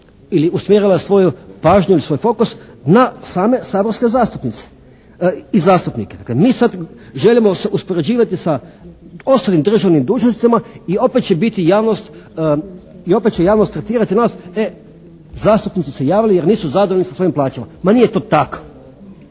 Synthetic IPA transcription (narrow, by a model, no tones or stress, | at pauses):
iliusmʲjeɾilasʋo̞jupaːʒɲuilisʋo̞ːjfo̞kusnasaːme̞saːboɾskezaːst̪upnit̪se̥ | izaːst̪upniked̪aklemiːsad̪ʒelimoseʔuspoɾe̞d͡ʑiːʋat̪isa | o̞st̪alimd̪ɾr̩ʒaʋnimd̪uːt͡ʃnst̪it̪amaio̞pet̪t͡ʃebit̪ijaːʋnost̪ | io̞pet̪̚t͡ɕejaːʋnost̪ːɾet̪iːɾat̪inaːse | zaːst̪upnit̪sisejaːʋilijeɾniːsuzad̪oʋlʲnisaso̞jimplˠaːt͡ʃama̰manijet̪o̞ːt̪ako̥